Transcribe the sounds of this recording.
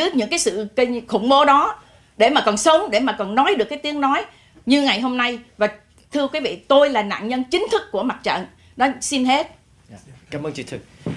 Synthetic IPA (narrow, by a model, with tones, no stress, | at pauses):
ɨ˦˥ɲɨ̰˧˥ŋkaː˨˦jsɨ̰˧˨kə˧xʊ̰˧˩ŋ͡mɓo˨˦ɗɔ˨˦ | ɗe˧˩maː˨˩kɔ˨˩nsə˨˦ŋ͡mɗe˧˩maː˨˩kɔ˨˩nːɔ˨˦jɗɨ˨˩əkːaː˨˦jt̪i˨˦əŋnɔ˨˦j | ɲɨ˧ŋa˨˩jɦo˧mna˧jvaː˨˩ | t̪ʰɨ˧əkwi˨˦vḭ˧˨t̪o˧jlaː˨˩na̰ː˧˨nɲə˧nt͡ɕï˨˦ŋ̟t̪ʰɨ˦˥kːu˧˩əma˨˩t̚t͡ɕə̰˧˨n | nɔ˨˦si˧nɦe˦˥t̚ | kaː˧˦mʔəː˧nt͡ɕḭ˧˩t̪ʰɨ˨˦˩